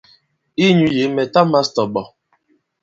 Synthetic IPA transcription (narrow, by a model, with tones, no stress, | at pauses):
i˦ɲu˦je˨˦mɛ˨ta˦ma˦stɔ˨ɓɔ˨